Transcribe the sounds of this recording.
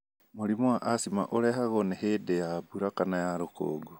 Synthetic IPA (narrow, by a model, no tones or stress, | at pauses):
molimoaʔasima̰ʔoleɦaɣonehedejabuɾakanajaɾoko̰ːɡo